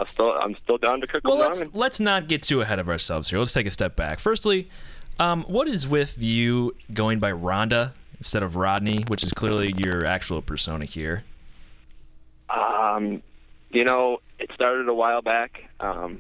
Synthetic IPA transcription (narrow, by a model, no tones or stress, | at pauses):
aɪstɪlˠã̰ɪ̃mstɪlˠdãʊ̃ntɨkʰʊkwɛlˠl̃lətsnət̚ɡ̥ɛtʰɨɨɦɛɾʌvə˞sɛlˠvz̥hiɹlˠstʰeɪkɨstɛp̚b̥æ̰kfɜ˞stˡliʌ̃mwʌɾɨzwɪðjʉɡoʊɪ̃ŋbaɪɹɑ̃ndəɪ̃n̩stɛɾʌvɹɑdⁿniwɨt͡ʃɨz̥kʰl̥ɪɹlijə˞æ̰k̚t͡ʃul̩ˠpʰə˞sõʊ̃ñɨhiɹ | ʔʌ̃mjɨñoʊɨtstɑɹɾɨɾəwaɪlˠbækʔʌ̃m